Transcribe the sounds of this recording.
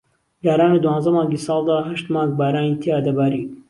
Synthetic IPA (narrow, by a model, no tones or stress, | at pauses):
jaːɾaːnid̪uwɑːnzɐmaːŋɡiːsɑːlˠd̪aːɦɐʃt̪maːŋɡ̚baːɾaːnit̪ʰeaːd̪ɐbaːɾiː